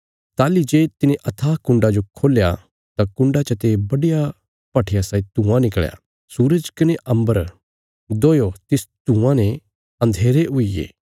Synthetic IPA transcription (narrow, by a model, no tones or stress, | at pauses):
t̪aːlid͡ʒeːt̪ɪneʔɐt̪ʰaːkʊ̃ɳɖad͡ʒokʰoːlːja | t̪akʊ̃ɳɖat͡ʃɐt̪ebɐɽija | pɐʈʰɪjasaːit̪ũːãnɪkɭja̰ | suːɾəd͡ʒkɐneʔɐ̃mbəɾ | d̪oːjot̪ɪst̪ũãnɛ | ɐ̃nd̪ʱeːɾeɦʊijḛː